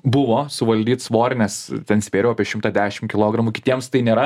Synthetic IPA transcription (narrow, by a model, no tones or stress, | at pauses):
bʊʋoːsʊʋɐlʲd̪ʲiːt̪sʋoːɾʲnʲɛst̪ʲɛnsʲpʲeːɾʲɛʊɐpʲiɛʃʲɪmt̪ɑːd̪ʲæːʃʲɪmkʲɪlˠoːɡɾɐmukʲɪt̪ʲiɛmst̪ɐɪnʲeːɾɐ